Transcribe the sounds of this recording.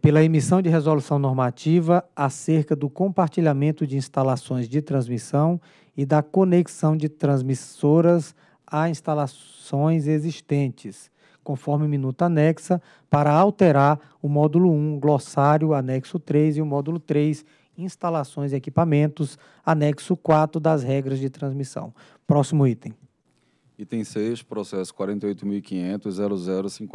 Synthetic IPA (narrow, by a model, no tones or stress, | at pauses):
pelɐemisɐ̃w̃d͡ʒɪɦezolusɐ̃w̃nɔɾmat͡ʃivɐaseɾkɐd̪ʊkõpaɾt͡ʃiʎamẽnt̪ʊd͡ʒɪĩst̪alasõj̃zd͡ʒɪt̪ɾɐ̃zmisɐ̃w̃ | ɪd̪ɐkoneksɐ̃w̃d͡ʒɪt̪ɾɐ̃zmisoɾɐz | aĩst̪alas | õj̃zeziʃt̪ẽnt͡ʃɪs | kõfɔɾmɪʊmĩnut̪ʊanɛksɐ | paɾɐawt̪eɾaɾ | ʊmɔd̪ulʊũɡlɔsaɾjʊanɛksʊt̪ɾejziʊmɔd̪ulʊt̪ɾejs | ĩst̪alasõj̃ziekipamẽnt̪ʊs | anɛksʊkwat̪ɾʊd̪ɐzɦɛɡɾɐzd͡ʒɪt̪ɾɐ̃zmisɐ̰̃w̃ | pɾɔsimʊit̪ẽ | it̪ẽj̃seʃpɾɔsɛsʊ̥kwaɾẽnt̪eojt̪ʊmiwikĩɲẽnt̪ʊzzɛɾʊzɛɾʊsĩk